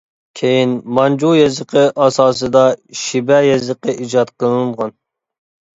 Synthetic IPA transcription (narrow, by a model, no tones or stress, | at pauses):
kʲʰejinmɑnd͡ʒujɛzəqʰəʔɑsɑːsɨd̪ɑʃibɛjɛzəqəʔid͡ʒɑt̪̚qʰəlɨnʁɑn